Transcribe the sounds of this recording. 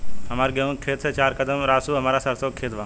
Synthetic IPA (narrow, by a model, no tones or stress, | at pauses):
ɦɐmaːɾɡẽũkʰeːt̪seːt͡ʃaːɾkəd̪əmɾaːsuːɦɐmaːɾasəɾsoːkʰeːt̪ʋãː